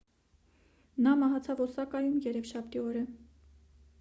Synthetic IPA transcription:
nɑmɑɦɑt͡sʰɑvɔsɑkɑjumjɛɾɛvʃɑpt̪iɔɾə

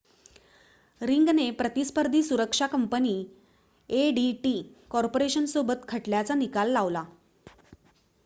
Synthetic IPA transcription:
ɾiŋɡnepɾət̪ispəɾd̪ʱiːsuɾəkʂakəmpəniː | eɖiʈikɔɾpoɾeɕənsobət̪kʰəʈljat͡sanikalːaʋla

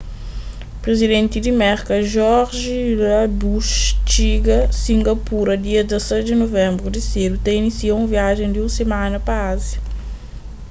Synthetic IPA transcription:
pɾezid̪ẽnt̪id̪imɛɾkɐʒɔɾʒilabuʃt͡ʃiɡɐsĩŋɡɐpuɾɐd̪iɐd̪asɛd̪inovɛ̃mbɾud̪iseɾut̪ɛ̃inisiaũviaʒẽnd̪iũsemãnɐpaazɐ

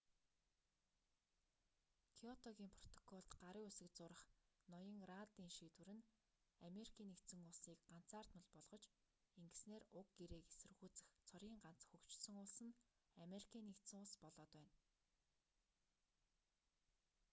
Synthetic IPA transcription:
kʰiɔt̪ʰɔɣʲiːmpʰrɔt̪ʰɔ̥kʰɔɮt̪ɢaɾiːŋusɘ̆k̚t͡sʊːɾə̆χnɔjə̆ŋrat̪iːŋʃiːt̪wɘ̆ɾɘ̆n | ameɾikʰiːnːekt̪sɘ̆ŋʊɮsiːkɢan̥t͡saːr̥t̪nmʊ̆ɮpɔɮʁ̥ɞ̆t͡ɕ | eŋɡɘ̆sneːrʊk̚ɡeɾeːke̥sɘ̆rɣuːt͡sɘ̆xt͡sʰɔɾʲiːŋɢan̥t͡s̆xɵkt͡ɕsɵ̆ŋʊɮsɘ̆nameɾikʰiːnːekt̪sɘ̆ŋʊɮspɔɮɔːt̪wæːn

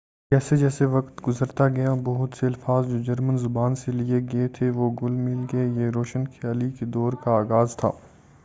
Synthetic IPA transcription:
kɛːsed͡ʒɛːseʋɐkt̪ɡʊzəɾt̪aɡɐjabɐɦʊt̪seɐlfaːzd͡ʒoːd͡ʒɐɾmənzʊbaːnselieɡɐet̪ʰeʋoɡʊlmɪlɡeejeɾoːʃənxʰjaːliked̪ɔːɾkaaːɣaːzt̪ʰa̰ː

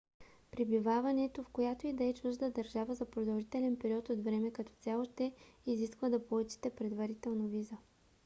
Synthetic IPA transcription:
pɾibivavɐnɛt̪ofkojat̪oid̪ɐɛt͡ʃuʒd̪əd̪ɐɾʒavəzɐpɾod̪əlˠʒit̪ɛlɛnpɛɾiɔt̪ot̪vɾɛmɛkɐt̪ɔ̥t̪sʲjalˠoʃt̪ɛiziskvəd̪ɐpolˠut͡ʃi̥t̪ɛpɾɛd̪vɐɾit̪ɛlˠnovizə

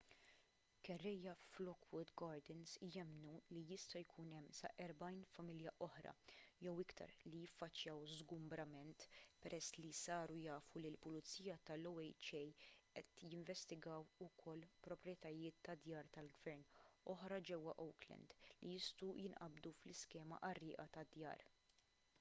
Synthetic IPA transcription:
kɛrːɛjːɐflɔkwʊd̪ɡɐːɾd̪ɛnsjɛmnulijɪst̪ɐjkʰuːnɛmːsɐ̰ʔɛɾbɐjnfɐmɪljɐʔɔħɾɐ̰jɛwɪkt̪ʰɐ̰ɾlijɪfːɐt͡ʃːjɐwzɡʊmbɾɐmɛnt̪pɛɾʔɛsːlisɐːɾujɐːfulilpʊlɪt͡sːiːjɐt̪ɐlɔwɛjt͡ʃɛjʔɛt̪jɪɱvɛst̪ɪɡɐːwʊkʰɔlːpɾɔpɾjɛt̪ɐjɪːt̪ːɐd̪jɐːɾt̪ɐlɡvɛɾnɔħɾɐd͡ʒɛwːɐʔɔwklɛ̰nd̪lijɪst̪ujɪnʔɐbd̪uflɪskɛːmɐ̰ʔɐrːɪːʔɐt̪ɐd̪jɐ̰ːɾ

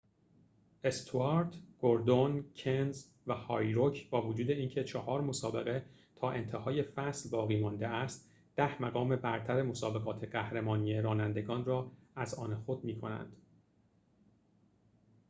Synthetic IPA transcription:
ʔe̞st̪ʰoɑɾt̪ɡ̥oɾd̪oncʰenz | væhɒːjɾocʰbɒːvod͡ʒuːd̪e̞iːncʰe̞t͡ʃʰɒhɒːɾmo̞sɒːbe̞ɣe̞ | t̪ʰɒːʔe̞̰nt̪ʰehɒːje̞fæslbɒːɣiːmɒnd̪e̞æst̪ | d̪̥æhmæɣɒːme̞bæɾt̪ʰæɾe̞mo̞sɒːbe̞ɣɒːt̪ʰe̞ɢæhɾemɒːnijeɾɒːnænd̪e̞ɡɒːnrɒːæzɒːnexod̪̚miːkʰonæ̰nd̪̥

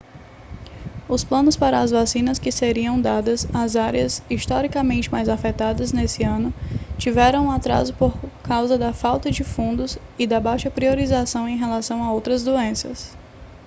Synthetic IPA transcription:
ʊsplɐ̃nʊspaɾɐːzvasĩnɐskɪseɾiɐ̃w̃d̪ad̪ɐzɐzaɾiɐziʃt̪ɔɾikɐmẽnt͡ʃɪmajzafɛt̪ad̪ɐznesɪɐ̃nʊt͡ʃivɛɾɐ̃w̃ũat̪ɾa̰zʊpoɾkawzɐd̪ɐfawt̪ɐd͡ʒɪfũnd̪ʊzɪd̪ɐbajʃɐpɾioɾizasɐ̃w̃ẽj̃ɦelasɐ̃w̃aowt̪ɾɐzd̪oẽsɐ̰s

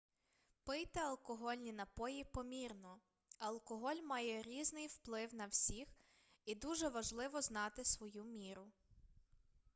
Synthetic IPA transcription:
pɪjt̪ɪɐlˠkɔɦɔlʲnʲinɐpɔjipɔmʲirnɔ | ɐlˠkɔɦɔlʲmɑjɛɾʲiznɪjwplˠɪwnɐwsʲix | id̪uʒɛʋɐʒlˠɪʋɔznɑt̪ɪsʋɔjumʲiɾʊ

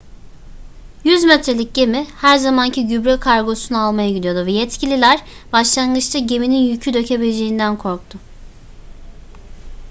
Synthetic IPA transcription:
jyzmɛt̪ʰɾe̞lʲic̚ɟe̞mihæɾzamancʰiɟybɾɛkʰaɾɡo̞sunualˠmajaɟid̪ʲijo̞d̪uvɛjɛt̪cʰilʲilʲæɾb̥aʃlˠanɡɯt͡ʃt̪ʰaɟe̞mininjycʰyd̪ø̞cʰe̞bilʲed͡ʒe̞jind̪ænkʰo̞ɾk̚t̪ʰʊ

